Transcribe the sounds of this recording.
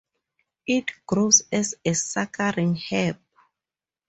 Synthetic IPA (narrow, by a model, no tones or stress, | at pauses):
itɡ̥ɹosɛsɛsakʰaɹĩŋhɛp̚